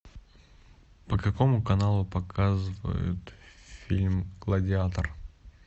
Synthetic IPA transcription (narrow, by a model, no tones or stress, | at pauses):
pəkɐkomʊkɐnalˠʊpɐkʰazɨvə̰jʊ̰t̪fʲilʲmɡ̥lˠədʲɪat̪ər